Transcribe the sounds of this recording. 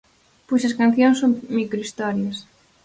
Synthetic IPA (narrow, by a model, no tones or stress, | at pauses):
pojsɐskanθjõŋsːoŋmikɾoist̪ɔɾjɐs